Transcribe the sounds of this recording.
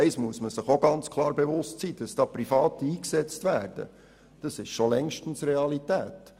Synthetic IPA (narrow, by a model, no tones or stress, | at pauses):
ɛɪsmuəsməsɪχoɡɑnt͡skʰlˠɑːɾbevʊstsiːd̥ɑsd̥ɑːpɾifɑːtəiːksɛt͡stvæːɾd̥ə̰ | d̥ɑsɪʃʃolɛŋʃtn̩srɛɑlitæːt